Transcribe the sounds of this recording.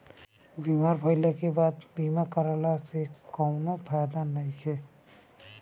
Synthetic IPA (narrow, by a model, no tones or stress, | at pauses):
bimaːɾpʰəɪlakebaːd̪biːmakəɾalasekɔʊnopʰajd̪anaĩkʰe